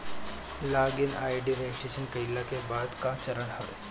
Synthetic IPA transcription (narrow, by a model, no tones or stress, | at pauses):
laːɡɪnaːjɖiɾeːsʈeːʃənkɐɪlːakebaːd̪kat͡ʃɐɾəɳhɐʋḛː